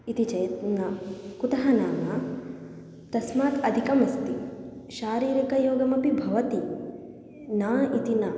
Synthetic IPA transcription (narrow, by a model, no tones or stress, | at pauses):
it̪it͡ʃɐjɐt̪nɐkut̪ɐɦɐnaːmɐ | t̪ɐsmaːt̪ɐd̪ʱikɐmɐst̪iʃaːɾiːɾikɐjoːɡɐmɐpibʱɐʋɐt̪i | naːit̪inɐ